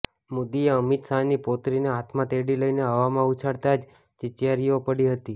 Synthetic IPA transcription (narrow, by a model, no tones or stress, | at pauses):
mʊd̪ieəmit̪sanipot̪ɾineɦat̪ʰmãt̪eɽiləineɦəʋamãut͡ʃʰaɽt̪ad͡ʒ | t͡ʃɪt̪jaɾijopəɽiɦət̪i